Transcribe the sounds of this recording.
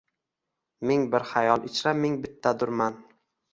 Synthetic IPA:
meŋbɪɾhajɒlˠʔɪt͡ʃʰɾameŋbɪt̪ʰːad̪ʊɾman

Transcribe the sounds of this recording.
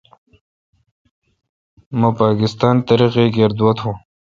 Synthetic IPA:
mãpaːkɪst̪ɑːnt̪ɐɾiqeɡeɾd̪wat̪hũ

